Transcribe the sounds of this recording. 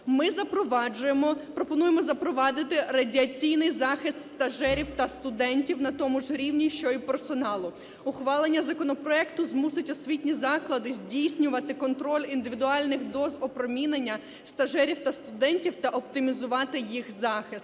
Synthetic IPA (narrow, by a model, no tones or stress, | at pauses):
mɪzɐpɾɔʋɑd͡ʒʊjmɔpɾɔpɔnujemɔzɐpɾɔʋɑd̪ɪt̪ɪrɐdʲiɐt͡sʲijnɪjzɑxɪst̪st̪ɐʒɛɾʲiwt̪ɐst̪ʊd̪ɛnʲtʲiwnɐt̪ɔmʊʒɾʲiwnʲiʃt͡ʃɔipersɔnɑlˠʊ | ʊxʋɑlˠenʲːɐzɐkɔnɔpɾɔɛkt̪ʊzmusɪtʲɔsʲʋʲitʲnʲizɑklˠɐd̪ɪzʲdʲijsʲnʲʊʋɐt̪ɪkɔnt̪ɾɔlʲind̪ɪʋʲid̪ʊɑlʲnɪxd̪ɔzɔpɾɔmʲinenʲːɐ | st̪ɐʒɛɾʲiwt̪ɐst̪ʊd̪ɛnʲtʲiwt̪ɐʔɔp̚t̪ɪmʲizʊʋɑt̪ɪjixzɑxɪst̪